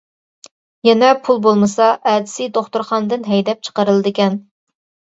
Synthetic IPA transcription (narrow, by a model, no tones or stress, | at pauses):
jɛnɛpʰulˠbolˠmɨsɑʔɛd̪ɪsid̪oχt̪uɾχɑnd̪ɨnɦɛjd̪ɛp̚t͡ʃʰə̥qəɾɨlˠɨd̪ɨkʲɛn